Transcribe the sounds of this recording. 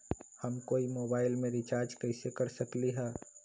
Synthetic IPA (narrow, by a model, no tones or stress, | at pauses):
həmkoːimoːbaːɪlmẽɾit͡ʃaːɾd͡ʒkəɪsekəɾsəkliɦɛː